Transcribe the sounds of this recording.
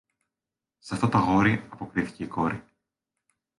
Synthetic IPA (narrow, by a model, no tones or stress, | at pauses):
sɐft̪ot̪ɐɣo̞ɾiɐpo̞kɾiθi̥ce̞iko̞ɾi